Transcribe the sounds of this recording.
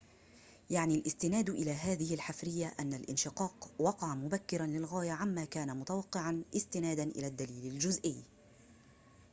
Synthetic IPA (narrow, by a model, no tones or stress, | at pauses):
jaʕnilʔɪst̪ɪnaːd̪ʔɪlaːɦaːðɪhɪlħafɾɪjːaʔanːalʔɪ̰nʃɪqɑːqwɑqɑʕamʊbakːɪɾanlɪlɣaːjaʕamːaːkaːnamʊt̪awɑqːɪʕanʔɪst̪ɪnaːd̪anʔɪ̰laːd̪ːaliːlɪld͡ʒʊzʔɪjː